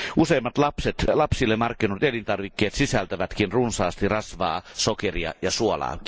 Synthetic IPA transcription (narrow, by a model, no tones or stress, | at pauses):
ʔuseːmːɑt̪lɑpset̪lɑpsilːemɑrkːinut̪elint̪ɑrʋikːeːt̪sisælt̪æʋæt̪kinrunsɑːst̪irɑsʋɑ̰ːsokeriɑ̰jɑsuolɑ̰ː